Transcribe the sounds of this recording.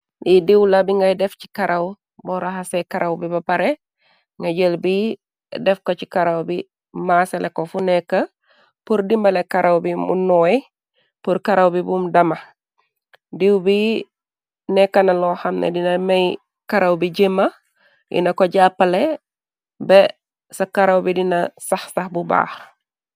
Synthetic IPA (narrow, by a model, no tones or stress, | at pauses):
lidiwlabiŋɡajdɛfci̥kaɾaw | bɔɾaɦasekaɾawbibapaɾe | ŋɡaɟəlbi | dɛfkocikaɾawbi | maselʔekofunɛkːa | puɾdimbɐlekaɾʔawbimṵnɔi | puɾkɐɾawbibumdɐmɐ | diwbi | nɛkːɐnɐlɔːxɐmnḛdinɐmej | kɐɾɐwbiɟemːɐ | jʔḭnɐkoɟaːpːɐle | bɛ | sɐkɐɾɐwbidinɐsɐxsɐxbuba̰ːx